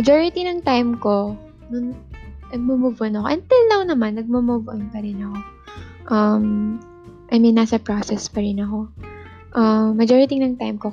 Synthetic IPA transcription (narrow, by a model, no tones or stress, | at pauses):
mɐd͡ʒoɹɪt̪inɐŋt̪ajmko̞ | nʊnnɐɡ̚mʊmʊvʔonɐko̞ʔɐnt̪ɪlːɐwnɐmanːɐɡ̚mʊmuvʔonpɐɾɪnɐko̞ | ʔɐm | ʔɐjminːaːsɐpɹoːsɛspɐɾɪnɐko̞ | ʔɐmːɐd͡ʒoːɹɪt̪inɐŋt̪ajmko